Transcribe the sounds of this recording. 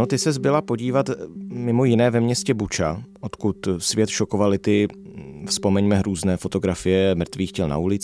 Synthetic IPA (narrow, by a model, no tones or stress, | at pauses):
ot̪ɪsɛzbɪlapo̞ɟiːvat̪mɪmo̞jɪnɛːvɛmɲɛscɛbut͡ʃaʔo̞t̪kut̪svjɛt̪ʃo̞ko̞valɪt̪ɪfspo̞mɛɲmɛɾuːznɛːfo̞t̪o̞ɡɾafɪjɛmr̩t̪viːxcɛlna̰ulɪt͡s